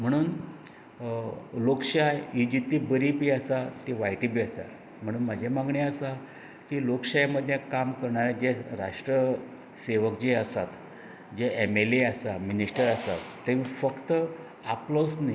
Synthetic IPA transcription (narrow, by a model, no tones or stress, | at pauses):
m̤əɽ̃uːn | lokɕajud͡ʑit̪ibəɾipiəsat̪iʋajʈibiəsa̰ | m̤əɽ̃uːnmad͡ʑʱemãŋɡɳeəsa | kilokɕajməd̪ʱjẽkamkəɾɳaɾad͡ʑeɾa̰ʂʈɾə | seʋəkd͡ʑeəsat̪ | d͡ʑeemeleəsaminiʂʈəɾəsat̪ːeʋĩfəkt̪ə | aplosna